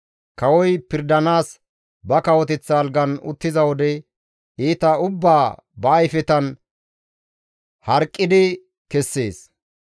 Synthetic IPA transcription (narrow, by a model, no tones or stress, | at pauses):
kɐwɔjpɪɾd̪ɐnaːs | bɐkɐwɔt̪ɛt͡sːaːlɡɐnʊ̰t̪ːɪzɐwɔd̪ɛ | iːt̪ɐʊbːaːbɐːjfɛt̪ɐn | hɐɾkʼːɪd̪ɪ | kɛsːḛːs